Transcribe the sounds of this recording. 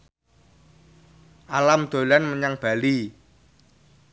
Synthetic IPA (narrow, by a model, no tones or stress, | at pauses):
ʔalamd̪̥o̤lanməɲaŋb̥a̤li